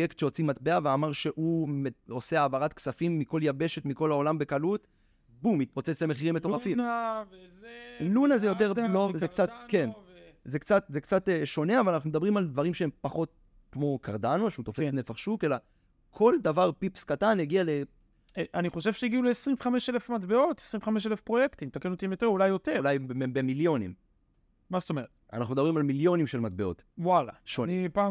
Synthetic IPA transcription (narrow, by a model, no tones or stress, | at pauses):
jektʃeo̞t͡simat̪beaveamaʁʃeʔumeoseaːvaʁatksafimːiko̞ljabe̞ʃe̞tmiko̞lao̞lambe̞kalut | bumit̪̚pot͡set͡slemeχiʁimetoʁafim | lunazejo̞t̪̬eʁlovzekt͡satkenzekt͡sat̪zekt͡sateʃo̞ne̞avalanaχnumed̪abʁimald̪vaʁimʃeempaχo̞t̚ | kmo̞kʰaʁdanoʃeut̪o̞fesnefaχʃukela | kʰo̞ld̪avaʁpipskataneɡiale | ʔaniχo̞ʃev̥ʃejiɡiuleesʁiɱveχameʃelefmat̪beo̞t̪e̥sʁiɱveχameʃ̬elefpʁo̞jekt̪imt̪akenotiimjot̪eʁulajo̞telajbemiljo̞nim | mazet̪omeʁet̪a̰naχnumedabʁimalmiljo̞nimʃelmat̪̚be̞o̞̰t | wala̰ʃonipaː